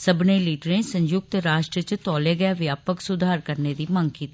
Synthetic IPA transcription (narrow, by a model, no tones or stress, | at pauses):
səbneːliːʈɾẽːsə̃ɲjʊɡ̚t̪ɾaːʃʈɾət͡ʃt̪ɔːleːɡəjaːʋɪjaːpəksʊd̪ʱaːɾkəɾneːd̪iːmə̃ŋɡkiːt̪iiː